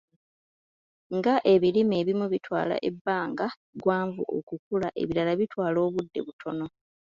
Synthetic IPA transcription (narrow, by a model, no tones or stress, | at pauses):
ŋɡaʔe̞βilimeːβimuβitwa̰ːla̰ʔebːaːŋɡa | ɡwaːɱvuʔo̰kukulaʔe̞̰βiɾalaβitwaːlo̞ːβudːe̞βutʰo̞no̞